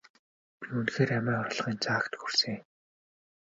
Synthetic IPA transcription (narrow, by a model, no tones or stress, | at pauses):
piunxeːɾæmæːχɔrɮʁiːnt͡sʰaːkt̪xursɘ̆ŋ